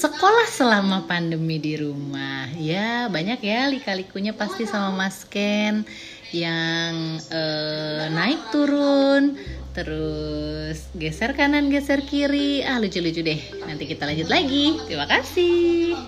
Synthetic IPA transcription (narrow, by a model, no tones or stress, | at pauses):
səkolahsəlamapandəmidiɾumahjabaɲakjalikalikuɲapast̪isamamaskɛn | jaŋənaɪk̚t̪uɾʊnt̪əɾʊ | sɡɛsɛrkananɡɛsɛrkiɾiahlut͡ʃulud͡ʒudɛh | nant̪ikit̪alaɲd͡ʒʊt̪̚laɡit̪ɾimakasɪh